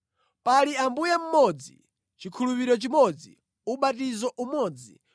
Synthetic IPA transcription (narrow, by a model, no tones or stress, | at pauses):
paliambujam̩mɔd͡zḭ | t͡ʃikʰulupiɾɔt͡ʃimɔd͡zḭ | uɓatizɔʔumɔd͡zḭ